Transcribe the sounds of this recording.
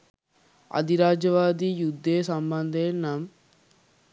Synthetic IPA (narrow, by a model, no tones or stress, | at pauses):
ɐ̰d̪iɾaːd͡ʒɐʋaːd̪ijud̪ʱːeːsɐmbɐnd̪ʱeːnɐm